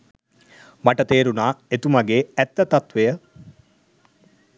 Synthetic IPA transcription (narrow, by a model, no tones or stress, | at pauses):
maʈət̪eːɾunaːet̪umaɡeːɛt̪ːət̪at̪ʋejə